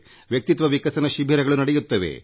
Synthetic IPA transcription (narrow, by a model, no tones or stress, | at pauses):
ʋjɐk̚t̪it̪ʋɐʋikɐsɐnɐʃibʱɐɾɐɡɐɭunɐɽejut̪ːɐʋḛ